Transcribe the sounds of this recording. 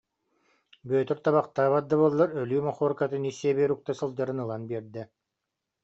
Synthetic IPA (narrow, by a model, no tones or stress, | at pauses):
bœːt̪œɾt̪aβaqt̪aːβat̪ːabulˠːaɾœlyːmɔχɔːɾkat̪ɯnisːɛbiːɾuk̚t̪asɯlˠd͡ʑaɾɯnɯlˠanbiɛɾd̪ɛ